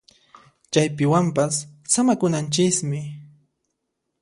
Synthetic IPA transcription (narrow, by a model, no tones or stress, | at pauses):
t͡ʃajpɪwampasːamakʊnant͡ʃɪsmɪ